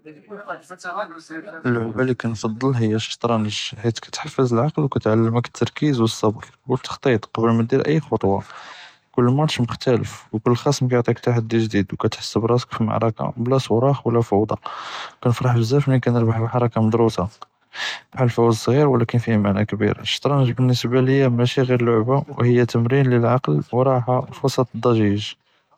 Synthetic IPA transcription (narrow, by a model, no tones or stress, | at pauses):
əlʕʊbælikænfɑd̪ˤːəlɦəjːæʃt̪ˤɾˤɑnəʒħit̪kæ̥t̪ħafːəzəlʕɑqlwkæt̪ʕalːəməkə̥t̪ːɑɾˤkizwəsˤːɑbɾ | wək̚t̪ə̥xt̪ˤit̪ˤqɑbəlmæd̪iɾʔə̰jːxot̪ˤwɑ̰ | kʊlːmæd̪ʃməxt̪ælə̰fwkʊlːxæsmkæjʊʕt̪ˤikt̪aħad̪ːiʒd̪id̪wkæt̪ħḁsːəbɾˤɑsə̥kfima̰ʕɾˤɑka̰blæsˤwɾˤɑxwlːæfɑwd̪ˤɑ̰kænəfɾˤɑħbəzːæfnikænəɾbəħfəħɑɾˤɑkaməd̪ɾusa | bħalfæwd̪sˤɣiɾwlækənfihmaʕnækbḭɾʃt̪ˤɾˤɑnəʒbənːəsbaləjːæmæʃiɣiɾlʊʕbawhəjːæt̪əmɾinləlʕɑqlwɾˤɑʕħafwɑsˤɑt̪ˤd̪ˤːɑʒiʒ